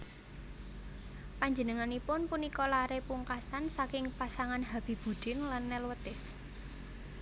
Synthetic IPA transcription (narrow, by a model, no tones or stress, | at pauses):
paɲd͡ʒənəŋanipʊnpunikɔlaɾepuŋkasansakɪŋpasaŋanɦab̥i̤b̥ṳd̪̥ɪ̤nlanːɛlwət̪ɪs